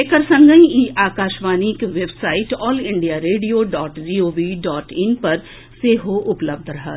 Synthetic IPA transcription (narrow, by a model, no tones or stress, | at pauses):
ekəɾsɐ̃ŋɡə̃ĩiːʔaːkaːʃʋaːniːkʋebsaːɪʈɔːlɪ̃ɳɖijaːɾeːɖijoːɖɔːʈd͡ʒiːoːʋiːɖɔːʈɪnpɐɾ | seːɦoʔʊpləb̚d̪ʱɾɐɦaː